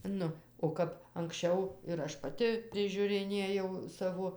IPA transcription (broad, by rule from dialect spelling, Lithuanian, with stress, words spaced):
ˈnʊ oː ˈkɐp ɐŋksʲˈt͡ʃʲɛʊ ɪr ˈɐʃ pɐˈtʲɪ pʲrʲɪʒʲʊrʲɪˈnʲeːjɛʊ ˈsɑːʋoː